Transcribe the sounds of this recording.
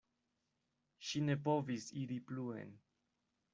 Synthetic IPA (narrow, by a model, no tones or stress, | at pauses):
ʃinepovisiɾipluḛn